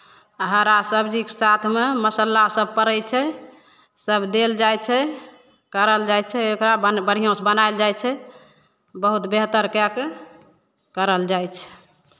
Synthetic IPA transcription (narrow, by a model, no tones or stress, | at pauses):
ɦəɾasəbd͡ʒiksat̪ʰmeməsəlːasəb̚pəɾəjt͡ʃʰɛ | səbd̪eld͡ʒajt͡ʃʰɛ | kəɾəld͡ʒajt͡ʃʰɛokɾabəbəɽ̤ijõsbənaeld͡ʒajt͡ʃʰɛ | bəɦut̪beɦt̪əɾkɛke | kəɾəld͡ʒajt͡ʃʰɛ̥